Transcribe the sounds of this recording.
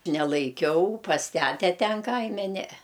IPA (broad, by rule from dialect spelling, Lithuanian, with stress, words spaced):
nʲɛlˠɐɪˈkʲɛʊ pɐs ˈtʲætʲɛ ˈtʲɛn ˈkɐɪmʲɛ ˈnʲɛɛ